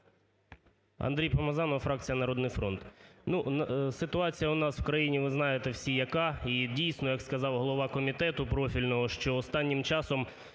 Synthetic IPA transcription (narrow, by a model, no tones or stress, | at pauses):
ɐ̰nd̪ɾʲijpɐmɐzɑnɔfɾɑk̚t͡sʲijɐnɐɾɔd̪nɪjfɾɔnt̪nunsɪt̪ʊɑt͡sʲijɐʊnɑswkɾɐjinʲiʋɪznɑjet̪ɛwsʲijɐkɑidʲijsʲnɔjɐkskɐzɑwɦlˠɔʋɑkɔmʲit̪ɛt̪ʊpɾɔfʲilʲnɔɦɔʃt͡ʃɔɔst̪ɑnʲːɪmt͡ʃɑsɔm